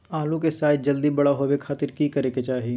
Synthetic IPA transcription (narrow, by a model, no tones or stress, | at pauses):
aːlũkesaːjt̪̚d͡ʒɐld̪ibɐɽaɦoːʋekʰaːt̪ɪɾkiːkɐɾeket͡ʃaːɦii